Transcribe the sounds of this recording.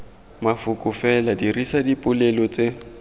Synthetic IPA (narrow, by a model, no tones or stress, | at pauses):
mafʊkʼʊfɛladirisadipʼʊlɛlɔt͡sʼe